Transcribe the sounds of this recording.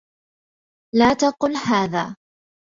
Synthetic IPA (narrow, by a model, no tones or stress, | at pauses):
laːt̪ɑqʊlhaːðaː